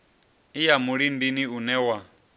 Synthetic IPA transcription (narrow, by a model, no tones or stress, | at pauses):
ijamuɺindiniunɛwa